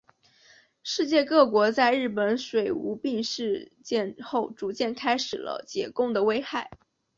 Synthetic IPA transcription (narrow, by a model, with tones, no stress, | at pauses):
ʂɻ̩˥˧t͡ɕjɛ˥˧kɤ˥˩kwɔ˧˥t͡sa˥˧ɪɻɻ̩˥˩pə˧˥nʂwe˨˩ɪu˧˥pi˥˧ŋʂɻ̩˥˧t͡ɕjɛ˥˧nxo˥˩ʊʈ͡ʂu˧˥t͡ɕjɛ˥˩nkʰa˥ɪʂɻ̩˨˩lə̰˦t͡ɕjɛ˨˧˥kʊ˥˩ŋd̪ə˩we˥ɪxa˥˩ɪ